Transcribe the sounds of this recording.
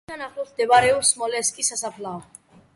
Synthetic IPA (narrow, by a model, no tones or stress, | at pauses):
anaɣɾuθd̪eβaɾewsmoleskisasaflao